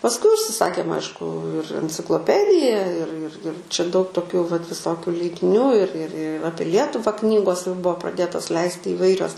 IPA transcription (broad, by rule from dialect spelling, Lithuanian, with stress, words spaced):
pɐsˈkʊɪ ʊʃʲsʲɪˈsɑːkʲeːm ˈɐɪʃkʊ ɪr ɛnʲt͡sʲɪklˠoːˈpʲæːdʲɪjɛ ɪr ɪr ɪr t͡ʃʲɛ dɐʊk toːˈkʲʊ ʋɐt ʋʲɪˈsoːkʲʊ lʲɛɪdʲɪˈnʲuː ɪr ɪr ˈɑːpʲiɛ ˈlʲiɛtʊʋɐ ˈknʲiːɡoːs jɛʊ ˈbʊʋoː prɐˈdʲeːtoːs ˈlʲɛɪsʲtʲɪ iːˈʋɐɪrʲoːs